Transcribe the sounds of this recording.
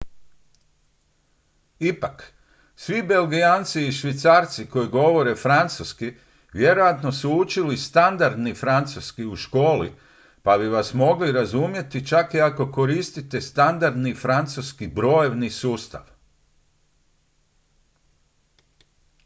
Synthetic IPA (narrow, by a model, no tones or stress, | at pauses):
ipak | sʋibe̞lɡiaːnt̪siːʃʋit̪saːɾt̪siko̞jiɡo̞ʋo̞ɾe̞fɾant̪suski | ʋje̞ɾo̞jat̪no̞suut͡ʃilist̪and̪aɾd̪nifɾant̪suskiuʃko̞ːlḭ | pabiʋasmo̞ɡliɾazumje̞t̪it͡ʃakiako̞ko̞ɾist̪it̪e̞st̪and̪aɾd̪nifɾant̪suskibɾo̞je̞ʋnisuːst̪a̰ʋ